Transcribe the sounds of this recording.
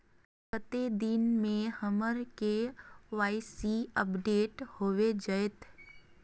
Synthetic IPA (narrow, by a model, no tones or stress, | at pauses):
kət̪ed̪ɪnmẽhəməɾkeʋaːɪsiəpɖeːʈhoːʋed͡ʒəet̪